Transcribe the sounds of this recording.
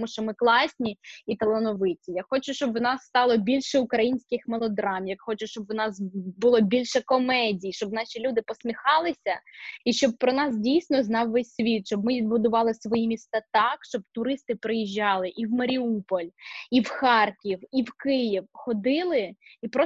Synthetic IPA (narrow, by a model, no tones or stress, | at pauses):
muʃt͡ʃɔmɪklˠɑsʲnʲiit̪ɐlˠenɔʋɪt͡sʲijaxɔt͡ʃʊʃt͡ʃɔbwnɑsːt̪ɑlˠɔbʲilʲʃɛʊkɾɐjinʲsʲkɪxmelˠɔd̪ɾɑmjɐkxɔt͡ʃʊʃt͡ʃɔbwnɑsbʊlˠɔbʲilʲʃɛkɔmɛdʲijiʃt͡ʃɔb̚nɑʃʲilʲud̪ɪpɔsʲmʲixɑlˠɪsʲɐiʃt͡ʃɔb̚pɾɔnɑsdʲijsʲnɔznɑwːɛsʲsʲʋʲit̪ʃɔbmɪʋʲid̪bʊd̪ʊʋɑlˠɪsʋɔjimʲist̪ɐt̪ɑkʃt͡ʃɔb̚t̪ʊɾɪst̪ɪpɾɪjiʒʲːɑlˠɪʔiwmɐɾʲiupɔlʲiwxɑrkʲiwiwkɪjiwxɔd̪ɪlˠɪipɾɔ